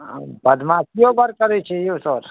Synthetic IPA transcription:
bəd̪mãkijobəɾkəɾet͡ʃʰeiosəɾ

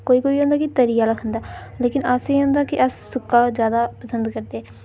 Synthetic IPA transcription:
koːiːkoːiːɦõːnd̪aːkɪt̪əɾiːjaːləkʰənd̪aːleːkɪnəseːõːnd̪aːkɪʔəsːʊkːaːzjaːd̪aːpəsənd̪kəɾd̪eːɛː

